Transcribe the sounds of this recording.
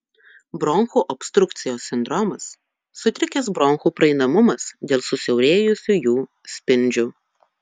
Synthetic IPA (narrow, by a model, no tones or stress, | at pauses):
bɾɔŋxuːʔɔpʲst̪ɾʊk̚t̪sʲɪjoːsːʲɪnd̪ɾɔmɐsː | ʊt̪ʲɾʲɪkʲɛsbɾɔŋxuːpɾɐɛɪnɐmʊmɐsd̪ʲeːlˠsʊsʲɛʊɾʲeːjʊsʲujuː | sʲpʲɪnʲd͡ʒʲʊː